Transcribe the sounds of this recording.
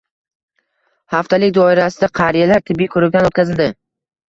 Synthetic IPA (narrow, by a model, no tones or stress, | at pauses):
haft̪ʰalɪkʲd̪ɒɪɾasɪd̪aqʰɑɾijalaɾt̪ʰɪbːijkʰɵɾɪd̪ʲanot̪kʲʰazɪld̪ɪ